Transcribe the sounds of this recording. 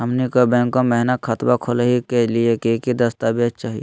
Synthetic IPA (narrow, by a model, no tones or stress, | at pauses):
ɦɐmnikobɛ̃ːŋkːomɛɦnəxʰɐt̪bakʰolɦikeliekekid̪ɐst̪abett͡ʃaːɦijḛ